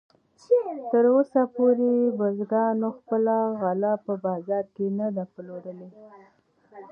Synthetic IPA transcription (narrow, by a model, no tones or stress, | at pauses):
t̪əɾosapoɾebəzɡɑnoxpəlaɣalapəbɑzɑɾkenad̪aploɾəle